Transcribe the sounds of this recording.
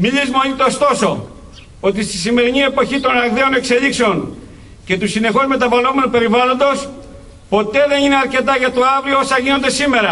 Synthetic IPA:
milizmeot̪it̪ost̪o̞so̞ | o̞t̪ist̪isime̞ɾinie̞po̞çit̪o̞nɐɣðe̞o̞ne̞kselikseo̞n | ce̞t̪usine̞xo̞zme̞t̪ɐvɐlo̞me̞nupe̞ɾivɐlo̞nd̪o̞s | po̞t̪e̞ðe̞nineɐɾce̞t̪ɐʝɐt̪uɐvɾioo̞sɐʝino̞nd̪e̞sime̞ɾɐ

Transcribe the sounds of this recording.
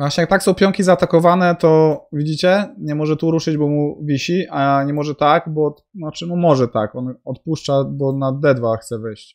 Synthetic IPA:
vwaɕɲɛjak̚t̪aksɔ̃w̃pʲjɔŋkʲizaːt̪akɔvanɛt̪ɔvʲid͡ʑit͡ɕɛɲɛmɔʐɛt̪uɾuʂɘd͡ʑbɔmuvʲiɕiʔaɲɛmɔʐɛt̪akbɔ | nɔt͡ʂɘmumɔʐɛt̪akɔnɔt̪̚puʂt͡ʂabɔnad̪ɛd̪vaxt̪sɛvɘjɕt͡ɕ

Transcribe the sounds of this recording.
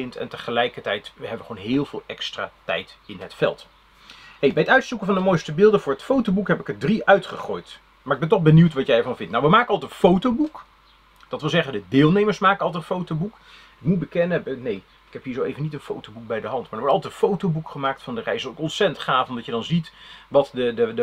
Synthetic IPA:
ɪntɛ̰ntəχəlɛjkəɹtɛjtəɦɛbəʋəχəoːwnɦɪːlˠvɪːlˠʔɛkstra̰ːtɛ̰jtɪnɦətfɛ̰lˠt | hejbɛjətœɥtsukənvɑndəmojstəbɪːlˠdəvʊːɹɦətfowtobukɦɛpɪkədriʔœɥtχəχoːjt | maːɹɪɡ̚bɛntɔχbəniwtʋɑtjɛjɛɹvɑnvɪntnawʋəmaːkəɑlˠtəfowtowbuk | d̥ɑtʋɪlˠzɛχəndədɪːlˠnejməɹsmaːkəɑlˠtɛətfowtowbuk | ɪkmut̚bəkɛnəɛbnej | ɪkɦɛpɦiːɹzowejvənitənfo̰wtowbuk̚bɛjdəɦɑntmadəɹʋɔɹtɑlˠtɛtfowtowbukχəmaːk̚tfɑndərɛjsɔlɪkɔnsɛtəntχaːfɔmdɑtjədɑnzitʋɑtdədəd

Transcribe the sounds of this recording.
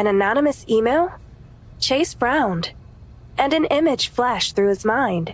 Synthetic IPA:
ɨ̃nɨnɑnəmɨsimeɪlˠ | t͡ʃʰeɪsfɹãʊ̃nd | ɨ̃nɨ̃nɪ̃mɨd̥ʒ̥flæʃθɹʉɨzmãɪ̃nd̥

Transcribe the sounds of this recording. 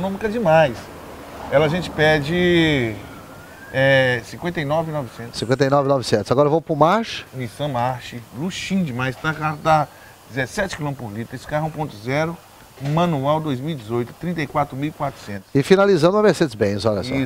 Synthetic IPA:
nõmikɐd͡ʒɪmajs | ɛlaʒẽt͡ʃɪ̥pɛd͡ʒɪ | ɛsĩkwẽnt̪ejnɔvinɔvɪsẽt̪ʊsĩkwẽnt̪ejnɔvɪnɔvɪsẽt̪ʊzaɡɔɾɐvowpɾʊmaɾʃɐ̥misɐ̃maɾʃɪluʃĩd͡ʒɪmajst̪akaɦʊd̪a | d͡ʒɪzesɛt͡ʃɪ̥kilõpoɾlit̪ɾeskaɦũpõnt̪ʊzɛɾʊ | mɐ̃nuawd̪ojzmiwid͡ʒɪzojt̪ʊ̥t̪ɾĩnt̪ejkwat̪ɾʊmiwikwat̪ɾʊ̥sẽnt̪ʊ̥sɪfinalizɐ̃nd̪ʊɐmeɾsed͡ʒɪzbẽj̃ɐzɔʎɐ̰sɔi

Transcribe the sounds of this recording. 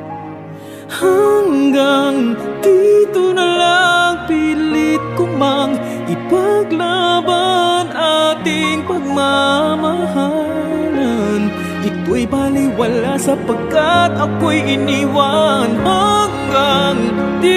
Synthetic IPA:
haŋɡaŋd̪̥it̪onɐlaŋpilɪt̪̚kʊmaŋ | ʔɪpaɡlabanat̪ɪŋpɐɡ̚mamaɦalan | ʔɪt̪ːoɐjbaːlijwɐlasɐpɐɡat̪ɐkojʔɪniwanɦaŋɡaŋd̪i

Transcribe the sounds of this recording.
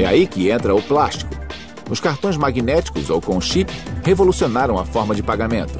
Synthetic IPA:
ɛa̰ikɪẽnt̪ɾɐʊplaʃt͡ʃi̥kʊ̥ | ʊskaɾt̪õj̃zmaɡinɛt͡ʃi̥kʊzowkõʃipɪhevolusionaɾɐ̃w̃ɐfɔɾmɐd͡ʒɪpaɡamẽnt̪ʊ̥

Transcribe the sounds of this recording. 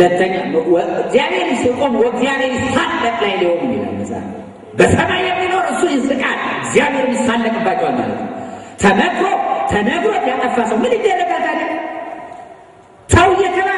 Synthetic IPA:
ət̪ʰːəɲːaɨɡzjaβeɾsɨkʼonwɔɡzjaβeɾjɪsalːəkʼlajlihomɨnːiə̰mə̰sʼa̰n | bəsʼənajɛmːinoɾɨsːujɪsɨkʼat̪ɡzijaβeɾɨnjɪsalːəkʼɨbːat͡ʃːɛwalma̰lə̰t̪nəwt̪ʰəməkʰot̪ʰənəɡɾot̪jat̪ʼəfːasəwmɨnɨnd̪ɛnːəkat̪aki | səwɨjɛt̪ʰəma

